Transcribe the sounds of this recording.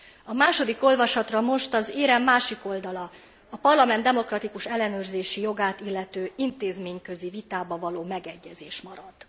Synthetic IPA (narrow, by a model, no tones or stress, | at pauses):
ɒmaːʃo̞d̪iko̞lvɒʃɒt̪rɒmo̞ʃt̪ɒzeːɾɛmːaːʃiko̞ld̪ɒlɒ | ɒpɒrlɒmɛnd̪ɛmo̞krɒt̪ikuʃɛlːɛnøːrzeːʃijo̞ɡaːt̪ilːɛt̪øːint̪eːzmeːɲkø̞zivit̪aːbɒvɒloːmɛɡɛɟːɛzeːʃmɒɾɒd̪̥